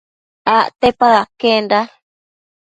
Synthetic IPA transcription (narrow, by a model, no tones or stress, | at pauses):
aʔt̪epaðakenda